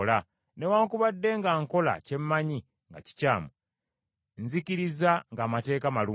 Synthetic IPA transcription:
la | ne̞waːŋkuβadːe̞ŋɡaŋko̞la̰ce̞mːaɲi | ŋɡa̰ci̥caːmu | nziciɾizaŋɡaːmate̞ːkamaluː

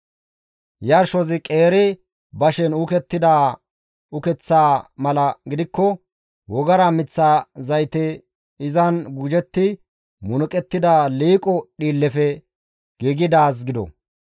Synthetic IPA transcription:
jɐɾʃɔzɪkʼeːɾɪ | bɐʃɛnʊkɛt̪ːɪd̪a | ʊkɛt͡sːaːmɐlɐɡɪd̪ɪkːɔ | wɔɡɐɾamɪt͡sːaːzɐjt̪ɛ | ɪzɐnɡʊd͡ʒɛt̪ːɪ | mʊnʊkʼɛt̪ːɪd̪aːliːkʼɔɗiːlːɛfɛ | ɡ̥iɡɪd̪aːs̬ɡɪd̪ɔ̰

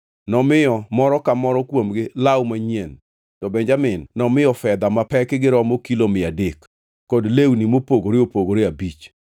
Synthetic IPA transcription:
nɔmɪjɔmɔɾɔkamɔɾɔkwomɡɪlawmaɲien | tɔbɛɲd͡ʒamɪnːɔmɪɔfɛd̪amapɛkɪɡɪɾɔmokilomɪadɪkː | ɔdlewnimopoɡoɾɪopoɡoɾeabit͡ʃ

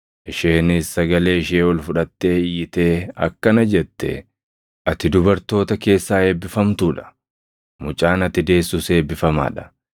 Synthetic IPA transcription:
ʔɪʃeːnɪsːɐɡɐle̞ːɪʃeːwɐlfʊᶑɐt̪ːe̞ːɪjːɪt̪e̞ːɐ̰kːɐnɐd͡ʒɛt̪ːɛ̰ | ʔɐt̪ɪd̪ʊbɐɾt̪o̞ːt̪ɐke̞ːsːaːe̞ːbːɪfɐmt̪uːᶑɐ̥ | mʊt͡ʃʼaːnɐt̪ːɪd̪e̞ːsːuse̞ːbːɪfɐma̰ːᶑɐ̥

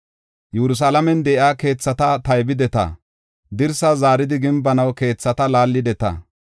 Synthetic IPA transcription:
jɛɾʊs̬alɐmɛnd̪ɛːʔaːke̞ːt͡sːɐt̪ɐt̪ɐjbɪd̪ɛt̪ɐ̰ | d̪ɪɾsɐzaːɾɪd̪ɪɡɪmbɐnɐwke̞ːt͡sːɐt̪ɐlaːlːɪd̪ɛt̪ɐ̰

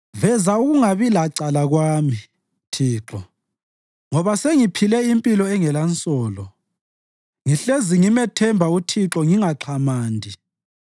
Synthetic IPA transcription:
vɛzauɣuŋaβilaǀalaɣwaːmi | tʰiːǁɔ | ŋɔβaseŋipʰilɛimpʼilɔɛŋɛlant͡sʼɔːlɔ | ŋiɬeziŋimɛtʰɛmbʱautʰiǁɔŋiŋaǁʰamaːndʱi

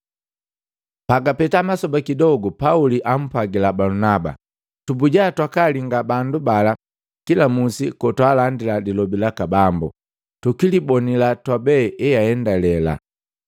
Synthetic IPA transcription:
paɡapɛtamasɔbakidɔɡɔpauliʔam̩paɡilabalunaba̰ | tubuɟatwakaliŋɡabandubala | kilamusikɔtwaːlandiladilɔbilakabambṵ | tukilibɔnilatwabɛɛjaɛndalɛla̰

